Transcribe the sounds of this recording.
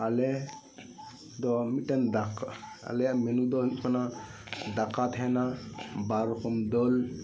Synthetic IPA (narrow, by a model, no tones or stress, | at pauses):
alɛ | d̪ɔmitand̪aka̰lɛjaʔmɛnud̪ɔɦut̪̚kʰanad̪akat̪ɦɛnabaɾɔkɔmd̪ɔl